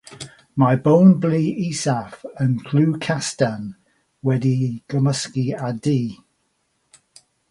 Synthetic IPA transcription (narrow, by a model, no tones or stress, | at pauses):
majbõwnbliːisafənkʰl̥uːkʰastan | wɛdiɡ̥əməskiadiː